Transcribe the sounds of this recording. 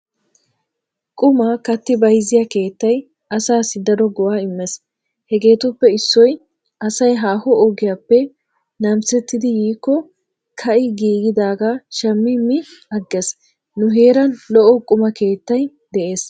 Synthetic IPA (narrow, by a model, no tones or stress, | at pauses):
kʼʊmakɐt̪ːɪbɐjzɪjake̞ːt̪ːɐj | ʔɐsaːsɪd̪ɐɾɔɡɔwaːɪmːɛs | hɛɡe̞ːt̪ʊpːɛɪsːɔj | ɐsɐjɦaːhɔɔɡɪjapːɛ | nɐmsɛt̪ːɪd̪ɪjiːkːɔ | kʰɐʔɪɡiːɡɪd̪aːɡaʃɐmːɪmːɪɐɡːɛs | nʊɦe̞ːɾɐnlɔʔɔkʼʊmɐke̞ːt̪ːɐj | d̪ɛʔe̞ːs